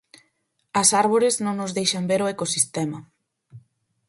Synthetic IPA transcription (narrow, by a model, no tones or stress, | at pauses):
ɐsaɾβ̞oɾɪznõŋnʊzðejʃɐmbeɾoekosist̪ɛmɐ